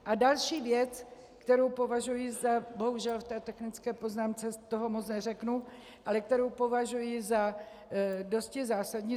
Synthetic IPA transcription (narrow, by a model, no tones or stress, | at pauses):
ʔadalʃiːvjɛt͡s | kt̪ɛɾowpo̞vaʒujizabo̞ɦuʒɛlft̪ɛːt̪ɛxnɪt͡skɛːpo̞znaːmt͡sɛt̪o̞ɦo̞mo̞t͡snɛr̝ɛknu | ʔalɛk̚t̪ɛɾowpo̞vaʒujɪza | do̞scɪzaːsadɲiː